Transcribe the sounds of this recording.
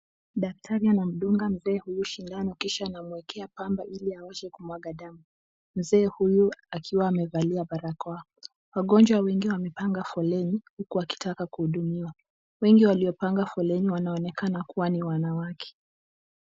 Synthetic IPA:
ɗak̚tʰaɾianam̩ɗuŋɡam̩zɛːhujuʃindanɔkiʃaːnamuɛkʰɛapambaʔiliawɛʃɛkumwaɠaɗamu | m̩zɛːhujuakʰiwaːmɛvaliaɓaɾakɔa | waɠɔnd͡ʒwawɛŋɡiwamɛpaŋɡafɔlɛnihukuaki̥takakuhuɗumiwa | wɛŋɡiwaliɔpaŋɡafɔlɛniwanaɔnɛkanakuwaniwanawakʰɛ̥

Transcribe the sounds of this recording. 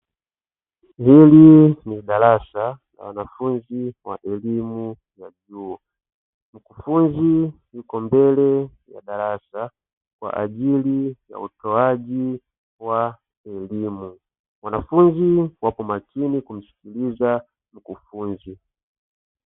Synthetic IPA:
hiliniɗalasala̰wanafunziwa̰ʔɛlimu | jaʄuɔ | m̩kufunzijukɔmbɛlɛja̰ɗalasa | kwa̰ʔa̰ʄilija̰utɔaʄi | wa | ɛlimu | wanafunziwapɔmakʰinikum̩si̥kiliza | m̩kufunzi

